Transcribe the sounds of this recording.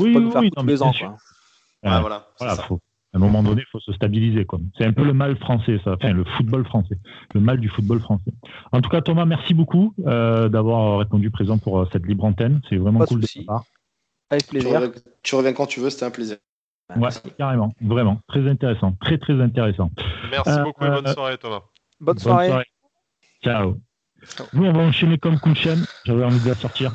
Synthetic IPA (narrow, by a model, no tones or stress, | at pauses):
wiwinɔ̃mɛjɛ̃syʁ | ɛ̃walavwalafo | ɛ̃mɔmɑ̃d̪ɔnefosəst̪abilizekwasɛɛ̃pøləmalfχɑ̃sɛsaɑ̃fɛ̃ləfut̪̚bɔlfχɑ̃sɛləmald̪yfut̪̚bɔlfχɑ̃sɛ | ɑ̃t̪u̥kat̪ɔmamɛʁsibokuød̪avwaʁəʁepɔ̃d̪ypχezɑ̃puʁəsɛt̪libʁɑ̃t̪ɛnsɛvʁɛmɑ̃kuld̪əsapaʁ | avɛkezɛ̃ | t̪yʁəvjɛ̃kɑ̃t̪yvøse̥t̪ɛɛ̃pleziʁ | wɛkaʁemɑ̃vʁɛmɑ̃t̪χɛzɛ̃t̪eʁesɑ̃t̪χɛt̪χɛzɛ̃t̪̬eʁesɑ̃ɛskɔwaʁet̪oma | bnsbɔwnaʁeswaʁe | t͡ʃao | nuɔ̃vaɑ̃ʃenekɔmkud̪ʃɛnʒavwɛɑ̃vid̪asɔʁt̪iːʁ